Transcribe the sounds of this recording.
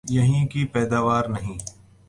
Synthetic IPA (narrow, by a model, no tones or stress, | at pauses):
jɐɦĩkipɛːd̪aːʋaːɾnɐɦĩː